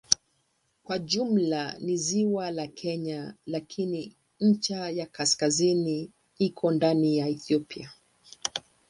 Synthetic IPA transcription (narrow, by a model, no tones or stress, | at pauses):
kwaʄum̩laniziwalakʰɛɲalakʰini | ɲ̩t͡ʃajakaskazini | ikʰɔndanijaɛθiɔpia